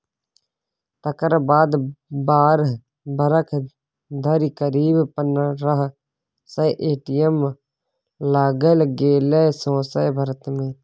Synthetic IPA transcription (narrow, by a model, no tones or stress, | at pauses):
t̪ɐkəɾbaːd̪baːɾ | bəɾəkʰ | d̪ʱɐɾikəɾiːbpənɾɐɦ | sɐʔeːʈijem | laːɡəlɡeːlesõːsəjbʱəɾt̪mẽː